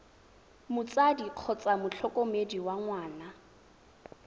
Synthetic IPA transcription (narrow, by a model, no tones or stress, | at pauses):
mʊt͡sʼadiq͡χʰɔt͡sʼamʊt͡ɬʰɔkʼɔmediwaŋwaːna